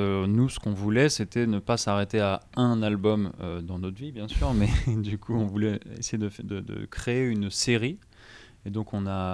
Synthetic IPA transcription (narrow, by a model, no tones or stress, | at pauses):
ønusə̥kɔ̃vulɛset̪ɛnəpasaʁet̪eaɛ̃nalbɔmød̪ɑ̃not̪vibjɛ̃syʁmɛd̪ykʰuɔ̃vulɛḛsejed̪əd̪əd̪ə̰kχeːynseʁi | ed̪ɔ̃kɔ̃na